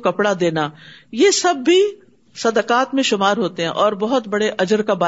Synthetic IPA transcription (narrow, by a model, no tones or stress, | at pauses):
kɐpɽad̪eːnaːjesɐbːi | sɐd̪əkaːt̪mẽʃʊmaːɾɦoːt̪eɦɛ̃ʔɔːɾbɐɦʊt̪bɐɽeʔɐd͡ʒəɾkabaː